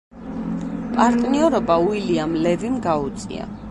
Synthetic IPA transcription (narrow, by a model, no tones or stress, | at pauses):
pʼaɾt̪ʼniɔɾɔbauiliamlɛvimɡaut̪sʼḭa̰